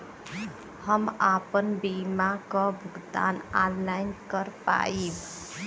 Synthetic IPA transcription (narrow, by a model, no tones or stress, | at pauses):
həmapənbimakɔbʱʊɡd̪a̰ːnanːaɪnkəɾpa̰ib